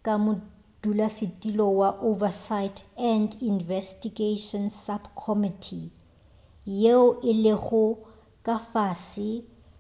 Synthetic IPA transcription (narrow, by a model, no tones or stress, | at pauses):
kʼamʊ | d̥ulasɪtʼilɔwaʔovasaɪtʰɛndinvɛstiɡeʃɔnsabkʰɔmɪtʰi | jeʊʔɪleχʊ | kʼafaːsɪ